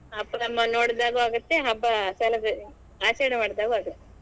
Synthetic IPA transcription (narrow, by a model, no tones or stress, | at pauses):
ɐpːɐnɐmːɐnoːɽd̪aːɡɐaːɡɐt̪ːeɦɐbːɐsɐːlɐd̪ | aːt͡ʃɐjɳɐmaːɽd̪aːɡuaːɡut̪ːe